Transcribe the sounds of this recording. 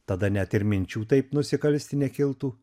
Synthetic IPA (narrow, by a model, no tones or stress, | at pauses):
t̪ɐd̪ɐnʲɛt̪ɪɾmʲɪnʲt͡ʃʲuːt̪ɐɪpnʊsʲɪkɐlʲsʲt̪ʲɪnʲɛkʲɪlˠt̪uː